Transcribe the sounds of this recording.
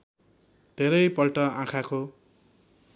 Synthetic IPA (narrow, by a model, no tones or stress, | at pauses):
d̪ʱeɾʌjpʌlʈʌãkʰako